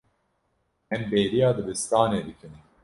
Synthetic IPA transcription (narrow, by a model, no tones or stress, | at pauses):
ɛnbeːɾijaːd̪ɨbɨst̪aːneːd̪ɨkʰɨnɨ